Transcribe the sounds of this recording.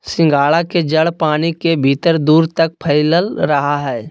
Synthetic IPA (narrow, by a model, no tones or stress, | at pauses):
sɪ̃ŋɡaːɭaked͡ʒəɽpaːnikebʱiːt̪əɾd̪uːɾt̪ɐk̚pʰəɪləlɾɐɦaɦɛː